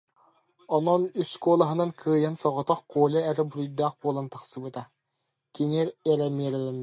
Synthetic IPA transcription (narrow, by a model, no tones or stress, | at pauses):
ɔnɔnyskuɔlˠaɦɯnaŋkʰɯːjansɔʁɔt̪ɔχkuɔlʲɛɛɾɛbuɾujd̪aːχbuɔlˠant̪aχsɯbɯt̪a | kinɛɾɛɾɛmiɛɾɛlɛmi